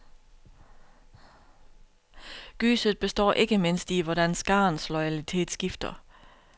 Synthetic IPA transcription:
ɡ̥y̰ːsəð̩ˠb̥e̝sd̥ɒ̰ːʔe̝ɡ̥əme̝n̰sd̥iʋɒɾænsɡ̥ɑ̈ːnslɔɪælit͡sʰe̝̰ːd̥sɡ̥ifd̥ɐ

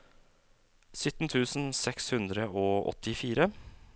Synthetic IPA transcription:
sʏt̪n̩t̪ʰʉːsn̩sɛkshʉnd̪ɾəoːʔɔ̰t̪ɪfiːɾə

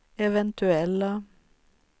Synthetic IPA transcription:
ɛʋɛnt̪ʰʉɛlə

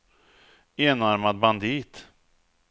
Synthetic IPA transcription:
eːnaɾmad̪̚band̪iːt̪

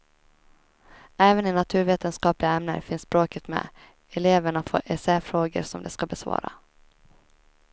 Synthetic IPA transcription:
æːvənɪnat̪ʰʉ̟ːɾveːt̪ənskɑːplɪaɛmnə̰ɾfɪnsːbɾoːkət̪mɛ̰ | ɛleːvəɳafo̰ːʔɛsɛfɾoːɡə̰ɾsɔmd̪ɛskabɛsvɑ̰ːɾa̰

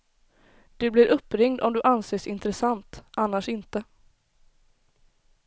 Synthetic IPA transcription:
d̪̥ɵblɪɾʔɵpːɾɪŋd̪ɔmd̪ɵʔanseːʂɪnt̪ɾɛsant̪ʔanːaʂɪnt̪ə

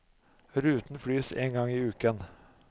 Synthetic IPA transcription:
ɾʉːt̪n̩fɽyːsḛːŋɡɑŋːiːʉːkən

